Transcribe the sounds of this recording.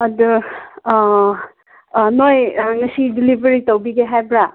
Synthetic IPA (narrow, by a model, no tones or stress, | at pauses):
ɐduɾ | nojnɐsidilibʱəɾitawbiɡeɦajbɾa